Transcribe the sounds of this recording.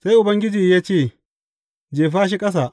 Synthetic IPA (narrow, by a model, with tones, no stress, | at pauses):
sa˦jʔʊ˨bɐ˦ŋɡʲɪ˦d͡ʒiː˨jaː˦t͡ʃeː˦˨ | d͡ʒeː˨ɸaː˦ʃ̬i˦kʼɐ˦s̬aː˨ʔ